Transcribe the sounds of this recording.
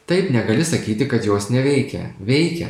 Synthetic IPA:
t̪ɐɪpnʲɛɡɐlʲɪsɐkʲiːt̪ʲɪkɐt̪joːsnʲɛʋʲɛɪkʲɛ̰ʋʲɛɪkʲɛ̰

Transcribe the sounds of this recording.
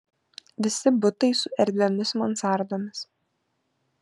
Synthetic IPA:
ʋʲɪsʲɪbʊt̪ɐɪsʊɛɾʲd̪ʲʋʲɛmʲɪsmɐnsɑˑɾd̪oːmʲɪs

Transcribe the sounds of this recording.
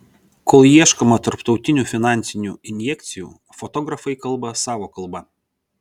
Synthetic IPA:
koːlˠjiɛʃkɔmɐt̪ɐɾpt̪ɒʊt̪ʲɪnʲuːfʲɪnɑˑnʲt̪sʲɪnʲṵːɪnʲjɛkʲt̪sʲɪjṵː | fɔt̪ɔɡɾɐfɐɪkɐlˠbɐsɑːʋoːkɐlˠbɐ

